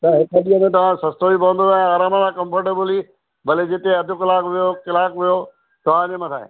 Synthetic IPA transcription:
t̪ɐɦɪkəɗiɦəmẽt̪̬ɐʋ̤ãsɐst̪oibɐʋə̃nd̪oãaːɾaːməlãkɐ̃mfəɾʈebəli | bɐled͡ʑɪt̪eɐd̪ʱʊkɪlaːkʋijokɪlaːkʋijo | t̪ɐʋ̤ãnẽmɐt̪ʰaːɦḛ

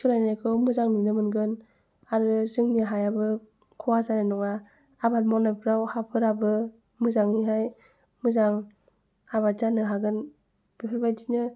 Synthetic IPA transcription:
sʰɯlajnajkʰɯwmɯzaŋnɯnɯmɯnɡɯn | aɾɯzɯŋniɦajabɯ | kʰɔwazanajnɔŋaː | batmɔnajpʰɯɾawhapʰɯɾabɯ | mɯzaŋiɦaj | mɯzaŋ | aβazanɯɦaɡɯn | b̥ipʰɯɾbajdinɯ

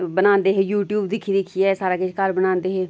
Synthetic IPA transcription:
bɐnãːnd̪eɦejuːʈjuːbd̪ɪkʰid̪ikʰiɛsaːɾakeʃkaːɾbɐnãːnd̪eɦeː

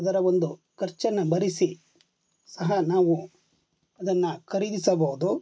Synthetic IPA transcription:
ɐd̪ɐɾɐond̪ukɐɾt͡ʃɐnːɐbɐɾisi | sɐɦɐnaːʋu | ɐd̪ɐnːɐkʰɐɾid̪isɐbɐɦud̪u

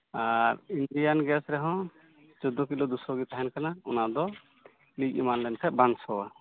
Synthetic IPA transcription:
aɾinɖijanɡɛsɾɛɦɔ̃ | t͡ʃɔd̪ɔkilɔd̪usɔɡit̪aɦɛnkanaṵnad̪ɔ | liɡimanlɛnkʰɛbansɔwa

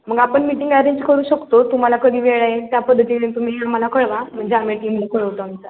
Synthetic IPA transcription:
m̤əɡapəɳmiʈiŋɡæɾeɲd͡ʑkəɾuːɕəkt̪ot̪um̤alakəd̪ʱiːʋeɭajet̪japəd̪ʱːət̪iːlẽt̪um̤iam̤alakəɭʋam̤əɳd͡ʑeameʈiːmukəɭəʋt̪oamt͡sa

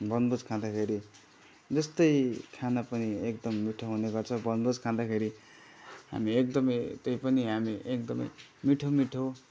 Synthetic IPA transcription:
bʌnbod͡zkʰãd̪akʰeɾi | d͡zʌst̪ʌjkʰanapʌniekd̪ʌmːiʈʰoɦuneɡʌrt͡sʰʌbʌnbod͡zkʰãd̪akʰeɾi | ɦa̰miek̚d̪ʌmʌjt̪ʌjpʌniɦamiʔekd̪ʌmʌ̰j | miʈʰomiʈʰo

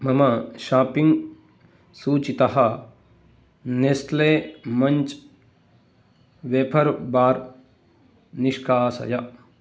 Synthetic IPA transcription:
mɐmɐʃaːpiŋɡ | suːt͡ʃit̪ɐɦɐ | nest̪leːmɐɲt͡ʃ | ʋeːpʰɐɾbaːɾ | niʂkʰaːsɐ̰jɐ

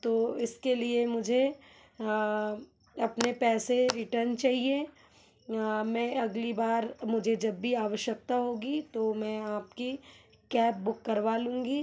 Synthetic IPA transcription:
t̪oːɪskeliemʊd͡ʒʱe | ɐpnepɛːseɾɪʈəɾnt͡ʃaːɦie | mɛ̃ɐɡlibaːɾmʊd͡ʒʱed͡ʒɐbːiaːʋəʃjək̚t̪aɦoːɡit̪omɛ̃ːaːpki | kɛːp̚bʊkːɐɾʋaːlũːŋɡi

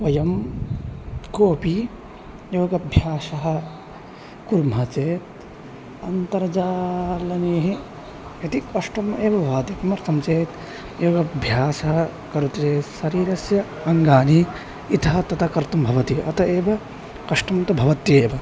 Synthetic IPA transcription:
ʋɐjɐm | koːpi | joːɡɐbʱjaːsɐɦɐ̆ | kuɾmɐt͡ʃeːt̪̚ | ɐnt̪ɐɾd͡ʒaːlɐneːɦi | ɐt̪ikɐʂʈɐmeːʋɐʋaːd̪ikɐmɐɾt̪ʰɐmt͡ʃeːt̪ | joːɡɐbʱjaːsɐɦɐ | kɐɾut̪t͡ʃeːt̪sɐɾiːɾɐsjɐ | ɐŋɡaːni | it̪ʰɐɦɐt̪ɐt̪ʰɐkɐɾt̪umbʱɐʋɐt̪iʔɐ̰t̪ɐeːbɐ | kɐʂʈɐmt̪ubʱɐʋɐt̪eːʋɐ

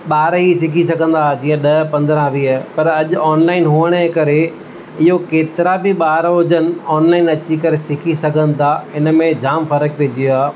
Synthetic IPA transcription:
ɓaːɾisɪkʰisɐɡʱə̃nd̪ad͡ʑĩːə̃ɗɐɦpɐ̃nd̪ɾãʋiːɦpɐɾɐʄʊɔːnlaːɪnɦuːəɽ̃əkɐɾe | ɪɦokeːt̪ɪɾabɪɓaːɾɦʊd͡ʑən̆ɔːnlaːɪnɐt͡ɕikɐɾesɪkʰisɐɡʱə̃nɪ̆t̪ʰaɪnə̆mẽd͡ʑaːmfɐɾək̚peːd͡ʑijoaː

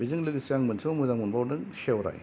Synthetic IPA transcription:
bizɯŋlɯɡsjaŋmɯnsʰɯmuzaŋmunbawdɯŋsewɾa̰j

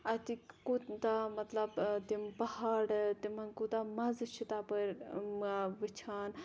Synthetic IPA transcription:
ɐt̪ikud̪amɐt̪lɐbt̪impɐhaːɽt̪imɐnkud̪amɐzt͡ʃʰit̪aːpɐɾ | ʋɨt͡ʃʰaːn

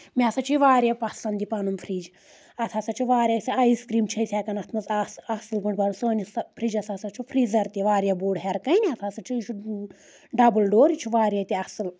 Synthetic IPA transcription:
mʲiasɐt͡ʃʰuʋaːɾjapɐsɐnd̪ipɐnumpʰɾiːd͡ʒ | ɐt̪ʰasɐt͡ʃʰuʋaːɾʲjasʲiaiskɾiːmt͡ʃʰɐsʲɛːkɐnɐt̪ʰmɐzsɐsɨlbɐɳbɐnusoːnspʰɾiːd͡ʒɐsasɐt͡ʃʰupʰɾiːzɐɾt̪iʋaːɾjaboːɖɦɛɾkɐjniɐt̪ʰasɐt͡ʃʰut͡ʃʰu | ɖɐbɨlɖoːɾit͡ʃʰuʋaːɾʲjat̪ʲiɐsɨl

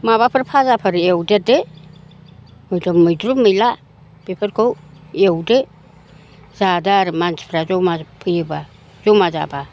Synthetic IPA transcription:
maβapʰaɾpʰazapʰaɾewdede | majdomːajdɾumajla | b̥epʰeɾkowewde | zadaɾimant͡ʃpʰɾazomapʰɯjba | zomaza̰ba

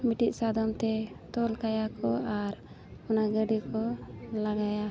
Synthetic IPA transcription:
miʈiʔsad̪ɔmt̪ɛt̪ɔlkajakɔaɾ | ɔnaɡəɖikɔlaɡaja

